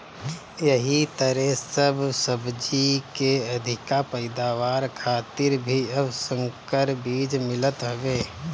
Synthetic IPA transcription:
jəɦit̪əɾɛɦsəbsəbd͡ʒikeɐd̪ʱɪkapəɪd̪aːʋaːɾkʰaːt̪ɪɾbʱiɐbsə̃ŋkəɾbiːd͡ʒmɪlət̪ɦoʋeː

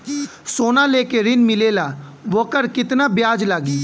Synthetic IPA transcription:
soːnaleːkeɾɪnmɪleːlaʋokəɾkɪt̪nabjaːd͡ʒlaːɡi

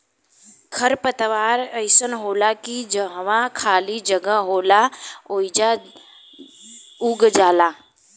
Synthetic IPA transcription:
kʰəɾpət̪ʋaːɾəɪsənɦoːlakid͡ʒəɦʋãkʰaːlid͡ʒəɡəɦoːlaoːid͡ʒa | uːɡd͡ʒaːlaː

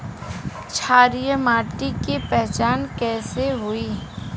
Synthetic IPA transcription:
t͡ʃʰaːɾijəmaːʈikipɛɦt͡ʃaːnkɛːseɦʊiː

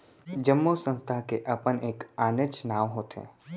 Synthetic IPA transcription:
d͡ʒəmːosə̃nst̪ʰakeʔɐpəneːkaːnet͡ʃnaːʋɦoːt̪ḛ̃ː

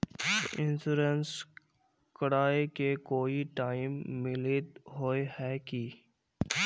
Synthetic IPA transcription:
ɪ̃nsuːɾəns | kəɽaːekekoːiʈaːɪmːɪlɪt̪ɦoːehɛːki

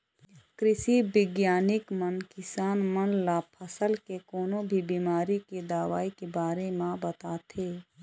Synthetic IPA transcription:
kɾɪsibɪɡjaːnɪkmənkɪsaːnmənlapʰəsəlkekoːnõbʱibiːmaːɾiked̪aːwaːikebaːɾemãbət̪aːt̪ʰeː

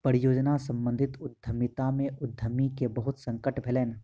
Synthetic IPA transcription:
pəɾɪjoːd͡ʒnasə̃mbə̃nd̪ʱɪt̪ʊd̪ʱːəmɪt̪amẽʔʊd̪ʱːəmikebəɦʊt̪sə̃ŋkəʈbʱeleːn

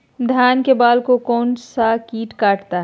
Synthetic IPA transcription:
d̪ʱjaːnkebaːlkokɔːnsakiːʈkaːʈt̪a

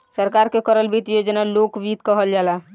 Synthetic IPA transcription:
səɾkaɾkekəɾəlbit̪jod͡ʒnalokbit̪kəɦəld͡ʒala

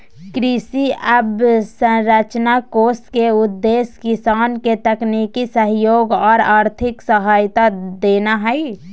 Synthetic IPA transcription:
kɾisiəbsə̃ɾət͡ʃnakoːskeʊd̪ːeːskɪsaːnket̪əknikisəɦjoːɡɔːɾaːɾt̪ʰɪksəɦaːjt̪ad̪eːnaɦɛi

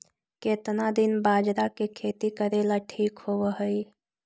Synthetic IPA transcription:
ket̪nad̪ɪnbaːd͡ʒɾakekʰeːt̪ikəɾeːlaʈʰiːkhowəɦəi

